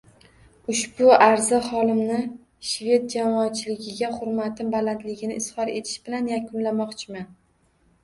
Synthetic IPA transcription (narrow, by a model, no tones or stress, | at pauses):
ʊʃbʊaɾzɪχɒlˠɪmnɪ | ʃve̞t̪̚d͡ʒamɒːt͡ʃʰɪlɪɡʲɪɡʲaχʊɾmat̪ʰɪmbalant̪lɪɡʲɪnɪɪshɒɾe̞̰t̪ʰɪ̥ʃb̥ɪlanjakʰʊnlamɒqt͡ʃʰɪman